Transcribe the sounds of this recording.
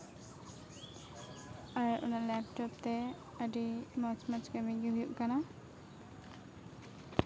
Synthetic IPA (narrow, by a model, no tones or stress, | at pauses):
aɹʊ̰nalɛp̚tɔp̚t̪ɛ | adimɔt͡ʃmat͡ʃkamiɡɛɦujuʔkana